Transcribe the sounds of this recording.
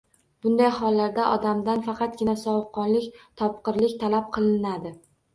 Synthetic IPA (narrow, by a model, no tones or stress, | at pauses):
b̥ʊnd̪ajhɒlˠːaɾd̪aʔɒd̪amd̪anfɑqɑt̪̚ɡʲɪnasɒwʊqʰːɒnlɪkʲt̪ʰɒp̚qɨɾlɪkʲt̪ʰalap̚qʰɨlˠɪnad̪ɪ